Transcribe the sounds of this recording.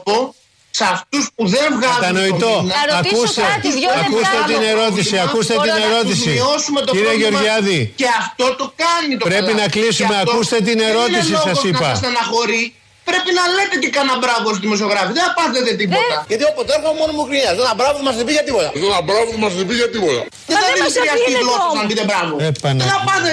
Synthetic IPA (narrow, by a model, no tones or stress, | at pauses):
po | sɐft̪uspuðe̞vɣɐzt̪ɐno̞it̪onɐɐkust̪eusɐust̪et̪ineɾo̞t̪isiɐkust̪et̪ineɾo̞t̪issiiosume̞t̪oiɾeʝeo̞ɾʝɐðice̞ɐft̪o̞t̪o̞kɐnit̪opɾe̞pinɐklisumeɐtkust̪e̞t̪̬ine̞ɾo̞t̪isliosɐsɣoinɐpɐsɐɐsɐnɐxo̞ɾi | pɾe̞pinɐlet̪et̪ikɐnɐbɾɐvosðimos̬o̞ɣɾɐfiðeθɐpɐðet̪et̪ipot̪ɐʝɐt̪iopot̪ɾeɾxoɐmonomukɾiiɐðonɐbɾɐvoðemɐsðbiɣɐt̪ipot̪ɐðonɐbɾavoðemɐsibiɣɐt̪ipot̪ɐ̰ | ðeθɐðimisɐst̪ilopsɐpit̪ebɾɐvoepɐneɐpɐðe